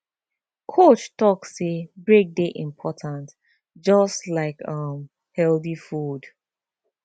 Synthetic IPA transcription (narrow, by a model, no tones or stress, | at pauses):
kʰot͡ʃtɔksːebɹek̚deʔĩmpʰɔtʰãnt | d͡ʒɔstlaɪkʌ̃m | hɛlθifud